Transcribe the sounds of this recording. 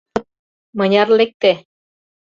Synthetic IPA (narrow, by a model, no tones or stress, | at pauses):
mɤ̆nʲɑɾlek̚t̪e